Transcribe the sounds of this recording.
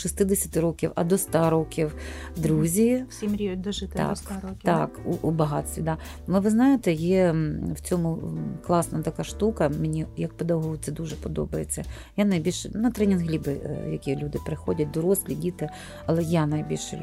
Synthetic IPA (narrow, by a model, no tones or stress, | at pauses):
ʃist̪ɪd̪esʲɐt̪ɪɾɔkʲiwɐ̰d̪ɔst̪ɑɾɔkʲiw | d̪ɾuzʲisʲimɾʲid̪ɔʒɪt̪ɑ̰kɾkʲt̪ɑkuʔubɐɦɑsʲʋʲid̪ɑ | lˠɪʋɪznɑjet̪ɛjɛwt͡sʲɔmʊklˠɑsnɐt̪ɐkɑʃt̪ukɐmenʲijɐk̚ped̪ɐɦɔʊt̪sɛd̪uʒɛpɔd̪ɔ̰bɐjet͡sʲːɐ | janɐjbʲilʲʃɛnɐt̪ɾɛnʲɪnɦlʲibɪjɐkʲilʲud̪ɪpɾɪxɔdʲɐt̚ʲd̪ɔɾɔsʲlʲidʲit̪ɪ | ɐlˠɛjanɐjbʲilʲʃɛ̰